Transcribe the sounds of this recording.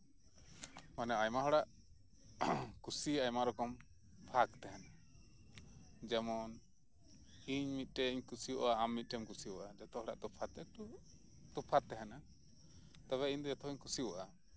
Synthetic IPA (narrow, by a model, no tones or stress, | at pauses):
manɛajmaɦɔɽaʔ | kusiajmaɾɔkɔm | pʰakt̪ɛɦɛna | d͡ʒɛmɔn | iɲmit̪̚ˀʈɛiɲkusiwɔʔaamːit̪̚ˀʈɛmkusiɔʔad͡ʒat̪ɔhɔɽa̰ʔt̪ɔpʰat̪ɛu | t̪ɔpʰat̪ːɛɦɛna | t̪aβɛiɲd̪ɔd͡ʒat̪ʰɔiɲkusiɔʔa